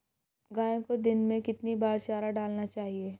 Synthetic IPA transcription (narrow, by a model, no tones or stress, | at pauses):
ɡaːẽkod̪ɪnmẽkɪt̪nibaːɾʃaːɾaɖaːlnat͡ʃaːɦieː